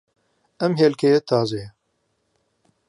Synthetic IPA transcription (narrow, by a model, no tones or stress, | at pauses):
ɛmɦeːlkʰejet̪ʰaːze